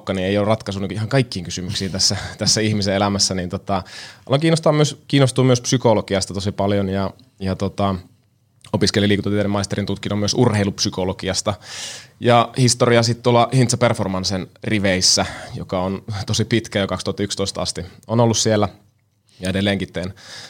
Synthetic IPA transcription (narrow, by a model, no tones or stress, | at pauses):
kːɑnieijolːurɑt̪kɑsunːukihɑŋkɑikːiːŋkysymyksiːnt̪æsːæt̪æsːæihmiseelæmæsːænint̪ot̪ɑɑlːɑŋkiːnːˑost̪ɑmyøskiːnːost̪uːmyøspsykolokiɑst̪ɑt̪osipɑljonjɑ | jɑt̪ot̪ɑ | opiskeliliːkut̪et̪ːeːɾemɑist̪eɾint̪ut̪kinomyøsurheilupsykolokiɑst̪ɑjɑhist̪oriɑsit̪t̪uolːɑhint̪sɑperformɑnsenriʋeisːæjo̰kɑont̪osipit̪kæjɑkɑkst̪uhɑt̪ːɑykst̪oist̪ɑɑ̰st̪ionolːussielːæ | jɑedelːeːŋkit̪ːˑeːn